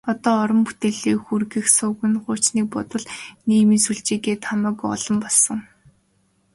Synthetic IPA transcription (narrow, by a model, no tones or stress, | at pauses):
ɔt̪ɔːɔɾɞ̆mpu̥t̪eːɮiːxurɣɘ̆xsʊːɣɘ̆nɢʊːt͡ɕniːk̚pʊt̪ə̆ɮniːmĭnsuɮt͡ɕiːɣeːt̪ʰamʊ̆ːkɔ̰ɮɞ̆mpɔɮsɞ̆ŋ